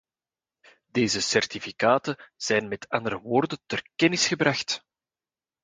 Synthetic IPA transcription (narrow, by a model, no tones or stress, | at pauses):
d̥eːzəsɛrtifikaːtəz̥ɛjnmɛtʰɑnd̪əɾəʋoːrdəntərkɛnɪsxəbrɑxt